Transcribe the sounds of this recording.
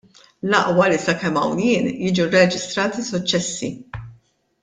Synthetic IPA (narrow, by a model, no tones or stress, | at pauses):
lɐʔwɐlisɐkɛmːɐ̰wnjɪːnjɪːd͡ʒurɛd͡ʒɪst̪ɾɐːt̪isʊt͡ʃːɛsːi